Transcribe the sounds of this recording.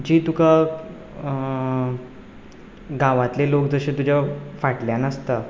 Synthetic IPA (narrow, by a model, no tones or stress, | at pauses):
d͡ʑiːt̪uka | ɡaʋãt̪lelokd͡zəɕet̪ud͡ʑafaʈljanəst̪ə